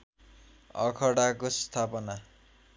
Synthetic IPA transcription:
ʌ̰kʰʌɽakost̪ʰapʌna

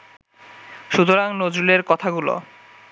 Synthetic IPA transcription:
ʃut̪oɾaŋnod͡ʑuleɾkɔt̪ʰaɡulo̰

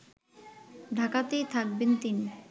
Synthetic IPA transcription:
ɖʱakat̪ejt̪ʰak̚bent̪ini

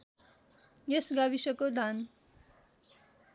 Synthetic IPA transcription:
jesɡabisʌkod̪ʱan

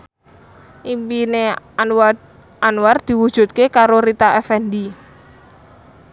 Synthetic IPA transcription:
ʔimpine | anward̪̥i̤wud̥ʒ̥ṳt̪̚kekaɾoɾit̪aʔɛfɛndi

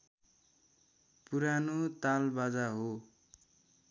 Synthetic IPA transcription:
puɾanot̪albad͡zaɦo

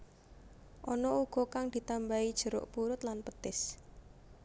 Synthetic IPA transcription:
ʔɔnɔuɡ̥ɔ̤kaŋd̪̥i̤t̪ambaid̥ʒ̥ə̤ɾʊ̰ʔpuɾʊt̪lanpət̪ɪs

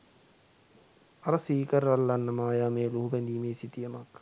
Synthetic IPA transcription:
aɾəsiːkəɾalːanːəmaːjaːmeːluɦubɛnd̪iːmeːsit̪ijəmak

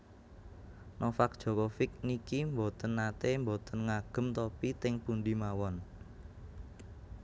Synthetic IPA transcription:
nɔfak̚d̥ʒ̥o̤kɔfɪk̚nikimbot̪ənːat̪embot̪ənŋaɡ̥ə̤mt̪opit̪ɪŋpunɖimawɔn

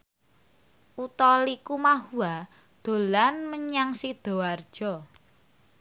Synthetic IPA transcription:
ʔut̪ɔlikumahua | d̪̥o̤lanməɲaŋsid̪̥o̤ard̥ʒ̥ɔ

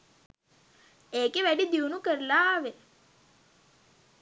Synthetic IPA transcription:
eːkeʋæɖid̪iunukəɾəlaʋe

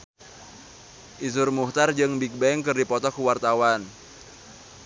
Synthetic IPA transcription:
ʔis̬ʊrmuht̪ard͡ʒɨŋbik̚bɛŋkɨrdipɔt̪ɔkuwart̪awan

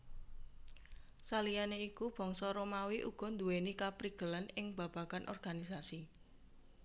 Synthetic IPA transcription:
salijaneikub̥ɔ̤ŋsɔɾomawiʔṵɡ̥ɔ̤nd̪uwenikapɾiɡ̥ə̤lanɪŋb̥a̤b̥ä̤kanʔɔ̰rɡ̥anisasi

